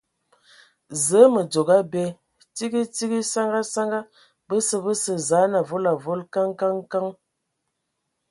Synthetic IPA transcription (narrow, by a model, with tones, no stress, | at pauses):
zə˨˦mə˨d͡ʒo˨ɡa˦bɛ˦ | ti˦ɡi˦ti˦ɡi˦sa˦ŋɡa˦sa˦ŋɡa˦ | bə˦sə˦bə˦sə˨za˨˦na˨vo˦la˨vo˦lka˦ŋka˦ŋka˦ŋ